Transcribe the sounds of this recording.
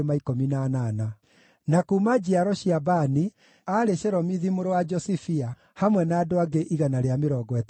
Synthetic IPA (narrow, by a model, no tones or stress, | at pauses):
emaikominanana | nakuːmad͡ʑiaɾɔɕiabani | aɾeʃɛɾɔmiðimoɾowad͡ʒɔsifia | hamwɛnaːdoaɡeʔiɣanaɾeameɾɔːɡɔɛt